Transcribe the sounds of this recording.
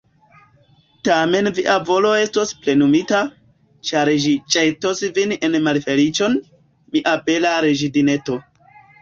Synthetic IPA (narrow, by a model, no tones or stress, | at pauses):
tame̞nviʔavo̞lo̞e̞sto̞sple̞numita | t͡ʃaɾʒit͡ʃʼejtosvinenmalfe̞lit͡ʃo̞n | miʔape̞laɾeʒidine̞to̞